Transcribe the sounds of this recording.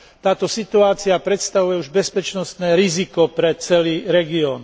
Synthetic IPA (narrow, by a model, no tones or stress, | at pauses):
t̪aːt̪ɔsit̪uaːt͡siapɾɛt̪st̪aʋujɛuʒbɛspɛt͡ʃnɔst̪nɛːɾizikɔpɾɛt͡sɛliːɾɛɡiɔːn